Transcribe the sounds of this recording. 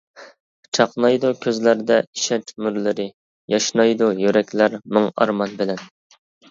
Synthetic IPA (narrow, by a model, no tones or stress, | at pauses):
t͡ʃʰɑqnɑjd̪ukʲʰøzlæɾd̪ɛiʃɛt͡ʃmyɾlɪɾɪ | jɑʃnɑjd̪ujøɾɛkʲlæɾmoŋɑ̰ɾmɑnbɪlɛn